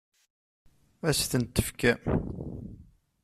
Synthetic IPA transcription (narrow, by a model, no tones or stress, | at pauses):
æsθənt̪ːəfkæ